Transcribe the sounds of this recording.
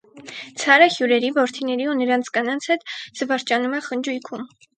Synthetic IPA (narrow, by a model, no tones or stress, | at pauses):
t͡sʰɑɾəhjuɾɛɾivɔɾt̪ʰinɛɾiunəɾɑnt͡sʰkɑnɑnt͡sʰhɛt̪z̥əvɑɾt͡ʃɑnumɛχənd͡ʒujkʰum